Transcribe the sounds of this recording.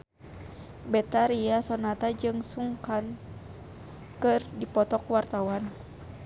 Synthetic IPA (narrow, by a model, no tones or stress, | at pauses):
bɛt̪aɾiasɔnat̪ad͡ʒɨŋsuŋkan | kɨrdipɔt̪ɔkwart̪awan